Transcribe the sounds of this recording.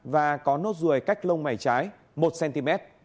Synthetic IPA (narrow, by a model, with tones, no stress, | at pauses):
vaː˨˩kɔ˨˦no˦˥t̚zɨ˨˧˩əjka˦˥jk̟̚lə˧wŋ͡mma˧˩jt͡ɕaː˨˦j | mo˨˩t̚sɛ˧nt̪i˧mɛ˦˥t̚